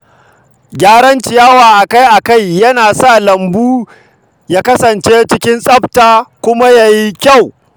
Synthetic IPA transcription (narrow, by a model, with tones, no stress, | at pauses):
ɡʲaː˦ɾɐ˦nt͡ʃɪ˨jaː˦waː˨ʔa˨ka˦jʔa˨ka˦˨jːɐ˦naː˨sa˦˨lɐ˨mbuː˦ | jaː˦kɐ˦sɐ˨nt͡ʃeː˦t͡ʃɪ˦kʲɪ˦nsʼɐ˦ptaː˨kʷʊ˦ma˦ja˨ji˦kʲa˦˨w